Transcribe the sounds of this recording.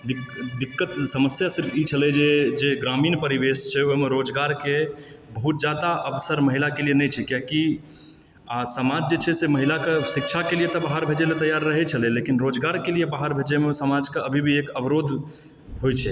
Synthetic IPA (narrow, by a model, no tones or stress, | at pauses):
d̪ikd̪ikːət̪səməsjasiɾpʰit͡ʃʰəlɛd͡ʒed͡ʒeɡɾaminpəɾiʋest͡ʃʰɛoɦimeɾod͡ʒɡaɾke | bəɦut̪̚d͡ʒad̪aʔəbsəɾməɦilakelienɛjt͡ʃʰɛkjaki | asəmad͡ʒd͡ʒet͡ʃʰɛseməɦilakesik̚t͡ʃʰakelijet̪ɔbaɦəɾbʱed͡ʒelet̪əjːaɾːəɦɛt͡ʃʰəlɛlekinɾod͡ʒɡaɾkelijebaɦəɾbʱed͡ʒemesəmad͡ʒkeəbʱibʱiekəbɾod̪ʱ | ɦojt͡ʃʰɛ